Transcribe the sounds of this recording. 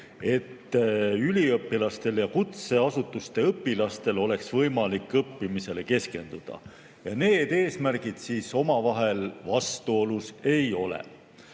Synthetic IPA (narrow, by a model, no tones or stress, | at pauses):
e̞t̪ːylʲiɤpːilɑst̪e̞ljɑkut̪se̞ɑsut̪ːˑust̪e̞ɤpːilɑst̪e̞lo̞le̞ksvɤjmɑlikːɤpːimise̞le̞ke̞ske̞nd̪̥ud̪̥ɑ̰ | jɑne̞ːd̪̥e̞ːsmæɾɡid̪̥siːso̞mɑvɑɦe̞lvɑst̪uo̞luse̞jo̞lḛ